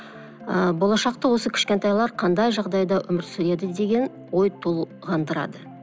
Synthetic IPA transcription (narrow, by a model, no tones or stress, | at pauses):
əbo̞lˠɑʃɑq̚t̪ɑwo̞səkʲʰɪ̥ʃkʲe̞nt̪ɑjlˠɑɾqʰɑnd̪ɑjʒɑʁd̪ɑjd̪ɑʔʏmɪɾsʏɾe̞d̪ɪd̪e̞ɡʲe̞n | wo̞jt̪ʰulˠ | ʁɑnd̪əɾɑ̰d̪ə